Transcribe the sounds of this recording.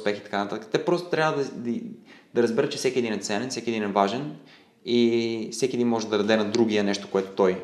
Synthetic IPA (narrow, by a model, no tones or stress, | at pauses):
spɛxi̥t̪ɐ̥kant̪at̪əkə̥t̪ɛpɾɔst̪o̥t̪ɾʲavəd̪ɐd̪d̪̥ɐɾɐzbɛɾət̪t͡ʃɛfsɛkʲiɛd̪inɛt̪sɛnɛnfsɛkiɛd̪inɛvaʒɛn | ifsɛkiɛd̪inmɔʒɛd̪ɐd̪ɐd̪ɛnɐd̪ɾuɡiənɛʃt̪o̥koɛt̪o̥t̪ɔj